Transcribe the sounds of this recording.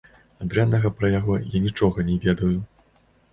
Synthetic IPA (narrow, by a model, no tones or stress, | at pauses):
ad̪ɾɛnːɐɣɐpɾɐjaɣɔjanʲit͡ʂɔɣɐnʲɛvʲɛd̪ɐju